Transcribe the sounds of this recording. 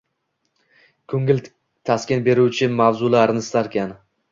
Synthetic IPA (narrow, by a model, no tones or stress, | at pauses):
kʲʰɵŋʲɪl | t̪ʰaskʲɪnbe̞ɾuwt͡ʃʰɪmavzʊlaɾnɪst̪aɾkʲʰan